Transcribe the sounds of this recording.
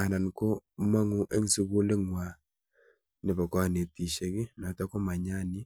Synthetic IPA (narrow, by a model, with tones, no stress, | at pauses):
a˨na˨nko˦ma˦ŋu˦ʔe˦ŋ˦si˦βo˦le˦ŋwa˨ | ne˨βɔ˨ka˨˦˨ne˨ti˨ʃe˨ki˦na˨ta˦ko˦ma˨ɲa˦ni˦